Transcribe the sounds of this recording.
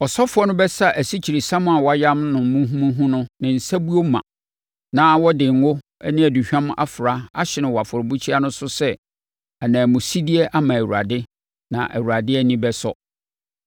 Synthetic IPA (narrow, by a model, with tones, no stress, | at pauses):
ɔ˨sɔ˦fʊ˦ɔ˦nʊ̃˦bɛ˦sa˦ʔæ˨si˦t͡ɕʰi˨ɾi˨sã˦m̃˦a˨wɔ˦a˦jã˦mnʊ̃˨m˦mũ˦ɦũ˦mũ˦ɦũ˦nʊ̃˦nɪ̃˨n̩˨sæ˦bu˦o˦mã̰˨ | nã˦wɔ˦dɪ˨ŋ˦ʊ˦ | æ˦nɪ̃˦æ˨du˨ɕᶣã˦ma̰˦fʊ˨ɾa˦a˦ɕɪ˨nɪ̃˨wɔ˨a˨fʊ˨ɾbu˦t͡ɕʰi˦a˦nʊ̃˦sʊ˦sɛ˦ | a˨nãː˨mʊ̃˨si˦di˦ɛ˦ʔa˦mã˨æ˨wu˨ɾa̰˨dɪ˦ | nã̰˨ʔæ̰˨wu˨ɾa˨dɪ˦ɛ˦nĩ˦bɛ˦sɔ̰˦